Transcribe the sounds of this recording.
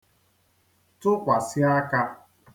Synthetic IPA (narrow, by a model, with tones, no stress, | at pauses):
tʊ˦kʷa˨si˦a˦ka˦